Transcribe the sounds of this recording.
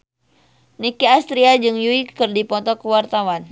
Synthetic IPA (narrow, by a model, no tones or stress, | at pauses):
nikiast̪ɾiad͡ʒɨŋjuikɨrdipɔt̪ɔkəwart̪awan